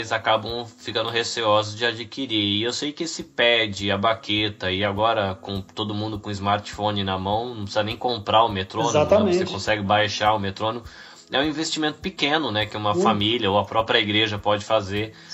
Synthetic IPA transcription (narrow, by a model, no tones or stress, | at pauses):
lɪzakabɐ̃w̃fikɐ̃nd̪ʊɦeseɔzʊzd͡ʒɪad͡ʒikiɾiɾɪewsejkɪesɪpɛd͡ʒɪɐbaket̪ɐɪaɡɔɾɐkõt̪od̪ʊmũnd̪ʊkõizmaɾt͡ʃfõnɪnɐmɐ̃w̃nɐ̃psizɐnẽj̃kõmpɾaʊmet̪ɾõnaɛ̃vsekõsɛɡɪbajʃaʊmet̪ɾõnimʊ | ɛ̰ũĩvest͡ʃimẽnt̪ʊ̥pɪkẽnʊnɛkɪɛũmɐfamilʲɐoɐpɾɔpɾʲiɐiɡɾeʒɐpɔd͡ʒɪfazeɾ